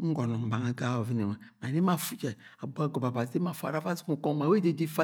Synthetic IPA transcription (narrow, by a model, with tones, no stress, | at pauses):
ŋ̩˦ɡɔ˨nɔ˨m̩˨ba˨ŋa˨ɡa˦o˨vi˦ne˨ma˨ma˨ne˦ma˦fu˦d͡ʒa˨a˨bu˦a˨ɡo˨ba˨ba˨de˦ma˨fa̰˨ɾa˦fa˦zi˦mu˨ko˦ŋ˦ma˨we˦de˨di˦fa˦